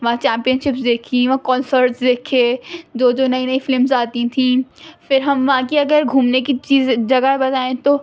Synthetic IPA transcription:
ʋɐɦãt͡ʃɛ̃ːmpijənʃɪpsd̪eːkʰiʋɐãkɔːnsəɾʈsd̪eːkʰẽd͡ʒ̪oːd͡ʒoːnɐĩnɐifɪlmzaːt̪ĩt̪ʰĩfɪɾɦɐmʋɐɦãkiɐɡəɾɡʱuːmnekit͡ʃiːzd͡ʒɐɡabɐt̪aːẽt̪o

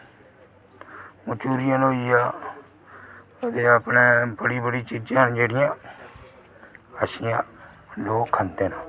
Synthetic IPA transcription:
mʊt͡ʃuːɾɪjãːnoːiːaː | ət̪eːəpnẽːbəɽiːbəɽiːt͡ʃiːd͡ʒãːnd͡ʒeːɽɪjãː | əsiːãː | loːkʰːənd̪eːnaː

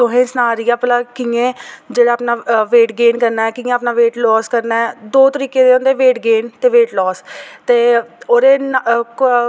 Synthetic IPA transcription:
t̪oɦẽːsnaːɾijaːplaːkiːẽːd͡ʒeːɽaːaːpnaːʋeːʈɡeːnkəɾnaːɛːkĩːẽːpnaːʋeːʈlɔːskəɾnaːɛd̪oːt̪əɾiːkeːd̪eːõːnd̪eːʋeːʈɡeːnt̪eːʋeːʈlɔːst̪eːoːɾeːn

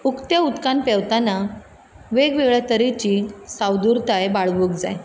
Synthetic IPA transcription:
ukt̪jaut̪kanpɛʋt̪ana | ʋeɡʋeɡɭat̪əɾit͡ɕiːsawd̪uɾt̪ajbaɭʋəkd͡za̰j

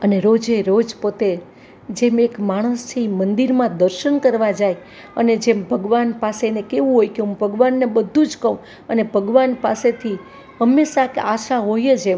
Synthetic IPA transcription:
əneɾod͡ʒeɾod͡ʒpot̪e | d͡ʒemekmaɽ̃əst̪ʰimənd̪iɾmãd̪əɾʃənkəɾʋad͡ʒaj | ə̰ned͡ʒembʱəɡʋanpasenekeʋũɦojkeɦũmbʱəɡʋanːebəd̪ʱːũd͡ʒkəũ | ənebʱəɡʋanpaset̪ʰi | ɦəmːeʃakeaʃaɦojed͡ʒe

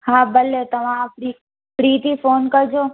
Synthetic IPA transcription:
hãːbəlet̪ɐʋãpɾi | pɽiːt̪ifoːnkɐɾd͡ʒoː

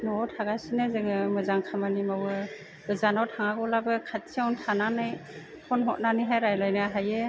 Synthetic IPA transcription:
nɔtʰaɡasinɯzɯŋɯmɯzaŋkʰamanimawɯ | bɯzanawtʰaŋaɡɔlabɯkʰatʰiawntʰananɯj | pʰɔnɦɔt̚nanɯɦajɾajlajnɯaɦajɯ

